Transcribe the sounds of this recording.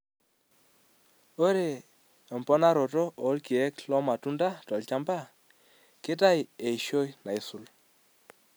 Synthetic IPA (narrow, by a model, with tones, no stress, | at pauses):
o˦ɾe˨ | ɛ˨mpɔ˦na˦ɾɔ˨tɔ˦ɔ˨˦lki˨ɛ˦klɔ˦ma˨tu˦nda˦tɔ˨lt͡ʃa˦mba˦˨ | kɪ˦ta˦je˨i˨ʃo˦jna˨i˨su˨l